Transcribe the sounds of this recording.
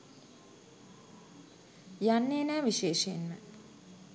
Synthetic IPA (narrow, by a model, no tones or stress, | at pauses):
janːeːnæːʋiʃeːʃəenmə̰